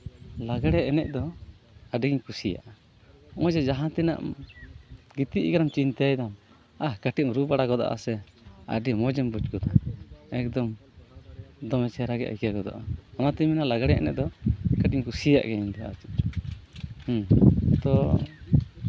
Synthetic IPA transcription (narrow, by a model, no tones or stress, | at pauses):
laɡaɽɛʔɛnɛʔd̪ɔ | aɖiɡiɲkusija̰ʔa | ʔɔ̃d͡ʒɛd͡ʒaɦãt̪ina̰ʔm | ɡit̪iʔɡaɾamt͡ʃint̪ajd̪am | akaʈimɾubaɽaɡɔd̪a̰ʔa̰sɛ | a̰ɖimɔd͡ʒɛmbut͡ʃɡɔd̪aɛk̚d̪ɔm | d̪ɔmɛt͡ʃɛɾaɡɛ̰ʔa̰jkakɔd̪ɔ̰ʔaɔnat̪iminalaɡaɽɛɛ̰nɛ̰ʔ̚d̪ɔkaʈ̚iɲkusija̰ʔɡɛɲd̪ɔa̰t͡ʃi̥ | ht̪ɔ